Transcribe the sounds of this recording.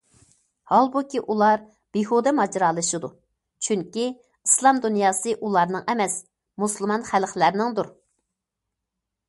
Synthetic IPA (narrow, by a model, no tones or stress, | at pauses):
hɑlˠbukʲiʔulˠɑɾ | b̥ehud̪ɛmɑd͡ʒɾɑːlˠɨʃɨd̪u | t͡ʃʰyŋkʲi | ɨslˠɑmd̪unjɑːsɨʔulˠɑɾnɨŋɛmɛs | muslˠmɑnχælχlæɾnɪŋd̪uɾ